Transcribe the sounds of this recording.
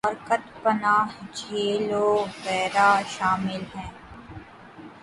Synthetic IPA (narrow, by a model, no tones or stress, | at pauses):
ɔːɾkət̪pənaːɦd͡ʒʱeːloːɣɛːɾaːʃaːmɪlɦɛ̃ː